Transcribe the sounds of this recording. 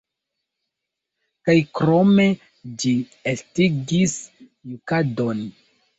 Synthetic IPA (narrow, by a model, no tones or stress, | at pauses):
kajkɾo̞me̞ | d͡ʒi | estiɡis | nukadon